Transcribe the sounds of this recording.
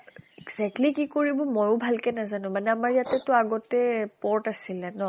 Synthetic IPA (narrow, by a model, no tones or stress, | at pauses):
ɛɡz̥ɛk̚tlikikoɹibɔmɔjʊbʱalkɛnazanʊ̃manɛamaɹjatɛtɔaɡɔtɛpɔɹtasilɛnɔ